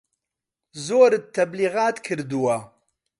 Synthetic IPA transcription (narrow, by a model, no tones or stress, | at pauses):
zoːɾɨt̪ʰːɐbliːɣaːt̪kʰɨɾd̪uwɐ